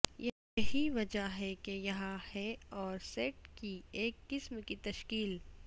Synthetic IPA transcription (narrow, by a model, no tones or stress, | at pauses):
jɛ | jɐɦiʋɐd͡ʒaɦɛkejɐɦãhɛɔːɾsɛːʈkieːkːɪsmkit̪ɐʃkiːl